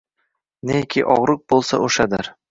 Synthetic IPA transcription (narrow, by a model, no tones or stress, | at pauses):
nekʲʰiʔɒʁɾʊk̚bolˠsa̰ʔoʃad̪ɪɾ